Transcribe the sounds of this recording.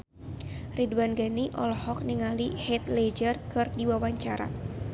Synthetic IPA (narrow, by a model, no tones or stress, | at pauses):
riduwanɡaniʔɔ̰lɔhɔk̚niŋalihɛt̪led͡ʒərkɨrdiwawaɲt͡ʃaɾa̰